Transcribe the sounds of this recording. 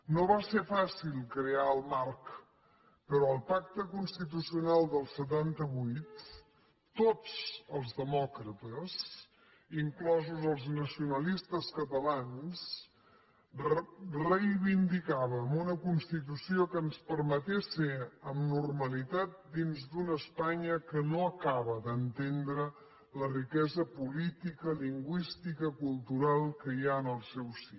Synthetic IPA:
noβasefasilˠkɾeaəlˠmark | pəɾɔəlˠpak̚t̪əkunst̪it̪̬usiunalˠd̪əlˠsət̪̬ant̪əβujt̪ː | ot͡səlˠzðəmɔkɾət̪əz | iŋklɔzuzəlˠznəsiunəlist̪əskət̪əlans | rəjβind̪ikaβəmunəkunst̪it̪̬usiokəːnspəɾmət̪eseəmnurməlit̪at̪̚d̪inzd̪unəspaɲəkənoəkaβəðənt̪end̪ɾə | lərikɛzəpulit̪ikəliŋɡwist̪ikəkulˠt̪uɾalˠkəiaənəlˠsɛwsi

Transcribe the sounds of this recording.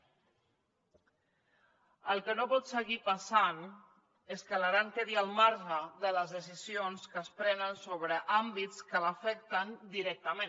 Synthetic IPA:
əlˠkənopɔt̪səɣipasan | eskəlaɾaŋkeðiəlˠmaɾʒəðələzðəsizionskəspɾɛnənsoβɾəʔambit̪skələfɛk̚t̪ənd̪iɾɛk̚t̪əmen

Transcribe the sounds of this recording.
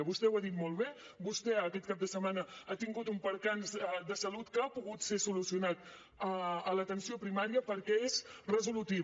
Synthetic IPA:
əβust̪ɛwaðit̪molˠβe | bust̪ɛəkɛt̪̚kap̚d̪əsəmanəat̪iŋɡut̪umpəɾkanzd̪əsəlut̪kəapuɣut̪sesulusiunat̪ | əələt̪ənsiopɾimaɾiəpəɾkɛezrəzulut̪i

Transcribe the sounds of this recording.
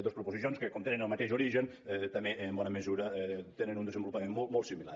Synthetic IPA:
d̪ospɾupuzisionskəkomt̪enənəlˠmət̪eʃuɾiʒən | t̪əmeːmbɔnəməzuɾət̪enənund̪əzəmbulupəmenmolˠt̪molˠt̪simila̰

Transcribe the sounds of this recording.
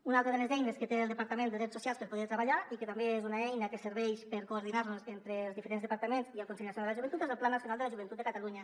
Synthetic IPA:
unalˠt̪ɾðelezɛjneskət̪eːlˠd̪əpaɾt̪əmend̪əðɾɛtsːusialˠspəɾpuð̞eɾt̪ɾəβaʎaikət̪ambeezunaɛjnəkəsəɾβɛʃpəɾkoːɾðinaɾnuzent̪ɾelˠzðifəɾenzðəpaɾt̪əmenziəlkunsiɲasjonðəlaʒuβnt̪ut̪ezəlˠplanːasjunalˠd̪əlaʒuβ̞ənt̪ut̪əkat̪aluɲə

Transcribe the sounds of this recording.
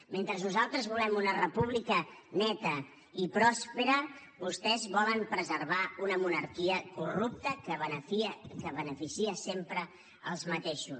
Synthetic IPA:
ment̪ɾəznuzalˠt̪ɾəzβulɛmunərəpuβ̞likənɛt̪ə | ipɾɔspeɾə | βust̪ɛzβɔləmpɾəzərβ̞aunəmunəɾkiəkurup̚t̪əkəβənəfikəβənəfisiəsempɾə | əlˠzmət̪eʃu

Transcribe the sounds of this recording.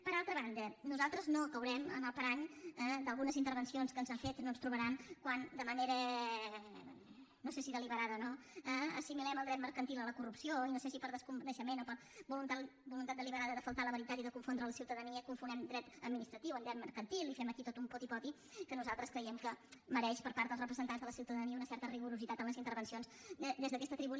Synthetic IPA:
pəɾalˠt̪ɾəβand̪ənuzalˠt̪ɾəznoəkəwɾɛmə̰nəlˠpəɾand̪əlˠɣunəzint̪əɾβənsionskənzafet̪noənst̪ɾuβəɾankwand̪əməneɾə | nosesiðəliβəɾaðənoəəsimilɛməlˠd̪ɾɛt̪̚məɾkənt̪ilˠələkurupsioinosesipəɾðəskumbnəʃəmenopəɾ | bulunt̪abulunt̪at̪d̪əliβəɾaðəðəfəlˠt̪aləβəɾit̪at̪iðəkuɱfond̪ɾələsiwt̪əðəniəkuɱfunɛmd̪ɾɛt̪əd̪minist̪ɾət̪iwənd̪ɾɛt̪̚məɾkənt̪ilˠifɛməkit̪ot̪umpɔt̪ipɔt̪i | kənuzalˠt̪ɾəskɾəjɛmkəməɾɛʃpəɾpaɾt̪əlˠrəpɾəzənt̪anzðələsiwt̪əðəniəunəsɛɾt̪əriɣuɾuzit̪at̪əmləzint̪əɾβənsionzəd̪ezðəkɛst̪ət̪ɾiβu

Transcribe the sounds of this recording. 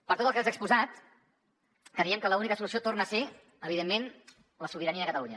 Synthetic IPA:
pəɾt̪ot̪əlˠkɛzəkspuzat̪ | kɾəɾiəmkələunikəs̬ulusiot̪ornəːse | əβ̞iðemːen | ləsuβ̞iɾəniəəkət̪əluɲə

